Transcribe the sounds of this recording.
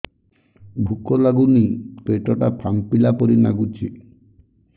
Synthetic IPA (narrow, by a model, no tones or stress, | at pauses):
bʱukɔlaɡunipeʈɔʈapʰampilapɔɾina̰ɡut͡ʃʰi